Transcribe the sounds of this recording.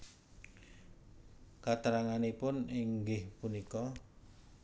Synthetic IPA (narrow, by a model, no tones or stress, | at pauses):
kat̪əɾaŋanipʊniŋɡɪhpunikɔ